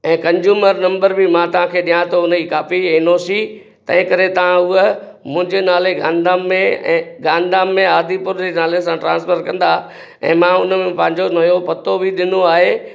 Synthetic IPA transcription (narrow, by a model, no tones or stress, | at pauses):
ɛ̃ːkɐ̃ɲd͡ʑuːməɾnɐ̃mbəɾbɪmãt̪ɐʋ̤ãkʰeːɗijãt̪oʊniːkaːfiɛ̃ːnoːsi | t̪ɐ̃ɦɪ̃kɐɾet̪ɐʋ̤ãʊə | mʊ̃ɦɪ̃ɲd͡ʑeːnaːleɡãːnɪd̪aːmːẽːɡaːnd̪aːmːẽaːd̪ʱipʊɾd͡ʑenaːles̬ãʈɾãːnspəɾkɐ̃nd̪a | ɛ̰̃ːmãʊnmẽpɐ̃ɦɪ̃ɲd͡ʑonɐjopɐt̪obʱɪɗɪnoaːɦeː